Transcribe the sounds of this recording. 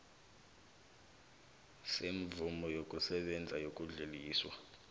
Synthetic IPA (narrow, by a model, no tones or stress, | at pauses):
seɱvumɔjokʼusɛɓɛnd͡zʱajokʼuɮeliːswa